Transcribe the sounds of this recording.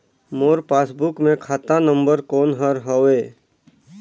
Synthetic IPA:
moːɾpaːsbʊkmẽkʰaːt̪anə̃mbəɾkoːnɦəɾɦoeː

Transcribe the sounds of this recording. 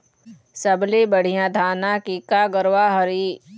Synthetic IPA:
səblebəɽ̤ijãːd̪ʱaːnakikaɡəɾwaɦəɾi

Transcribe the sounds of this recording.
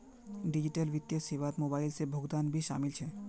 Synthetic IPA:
ɖid͡ʑiʈəlʋit̪ːjəseʋat̪mobaːɪlsebʱoɡd̪anbʱiʃa̰ːmilt͡ʃʰɛ

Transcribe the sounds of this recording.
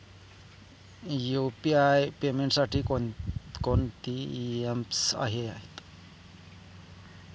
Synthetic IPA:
jupiajpemeɳʈsaʈʰikkont̪iemsa̰ɦeaɦit̪

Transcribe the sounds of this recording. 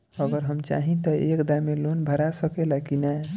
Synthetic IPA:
əɡəɾɦəmt͡ʃa̰ɦĩt̪əekd̪amelonbʱəɾasəkelakinɛ

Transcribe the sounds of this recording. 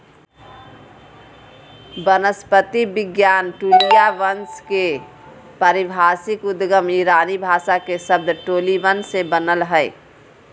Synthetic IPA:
bənəspət̪ibɪɡjaːnʈulijaʋənske | pəɾibʱaːsɪkʊd̪ɡəmiɾaːnibʱaːʃakesəb̚d̪ʱʈoːliʋənsebənəlɦəɪ

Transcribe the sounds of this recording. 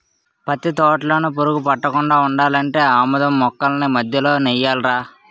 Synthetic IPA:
pɐt̪it̪ɔːʈlɐnupoɾuɡupɐʈːɐkuɳɖaːuɳɖaːlɐɳʈe̞ːaːmɐd̪ɐmːɔkːɐlɐnimɐd̪ʱjɐlo̞ːnɛjːaːlɾaː

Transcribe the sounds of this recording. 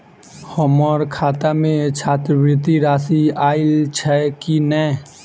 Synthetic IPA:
həməɾkʰaːt̪amẽt͡ʃʰaːt̪ɾəʋɾɪt̪iɾaːsiaːɪlt͡ʃʰɛkinɛ

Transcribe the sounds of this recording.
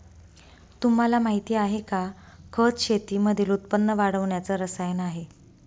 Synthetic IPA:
t̪um̤alamaɦit̪iːaɦeka | kʰət͡sɕet̪iːməd̪ʱiːlut̪̚pənːəʋaɽəʋɳjat͡səɾəsajənaɦe

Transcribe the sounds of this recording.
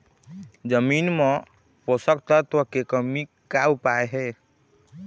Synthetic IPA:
d͡ʒəminmɔ̃ | posəkt̪at̪ɔkekəmi | kawpaeɦɛ

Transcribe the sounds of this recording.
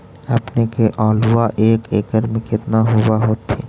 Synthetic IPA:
ɐpnekeʔɔːlʊʋaʔeːkeːkəɾmẽkɪt̪naɦʊwaɦoːt̪ːiː

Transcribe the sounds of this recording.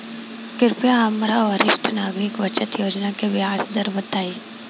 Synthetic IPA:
kɪɾpjaamɾaʋəɾɪʃʈʰnaːɡɾɪkʋɐt͡ʃət̪joːd͡ʒnakeʋɪaːsd̪əɾbət̪aːi

